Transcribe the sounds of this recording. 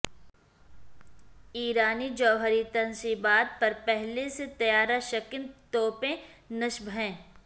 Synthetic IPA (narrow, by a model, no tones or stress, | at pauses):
iːɾaːnid͡ʒɔːɦəɾit̪ɐnsibaːt̪̚pɐɾpɛɦleset̪ɐjaːɾaʃɐkɪnt̪oːpẽnɐʃbʱɦɛ̃ː